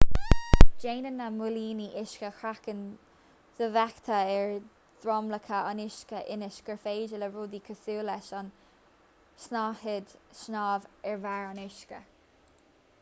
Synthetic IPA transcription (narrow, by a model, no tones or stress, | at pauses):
d͡ʒeːnənːamʊliːniʔɪʃkəxɹakən | z̥əvakt̪ʰəɛɹ | d̪̥ɹɔmləkʰəanɪʃkəʔɪnɪʃkəɹfeːd͡ʒələɹuːd̪ikʰəsuːlɛʃan | snahɪd̪ʃnaːvɛɹvaɹanɪʃkə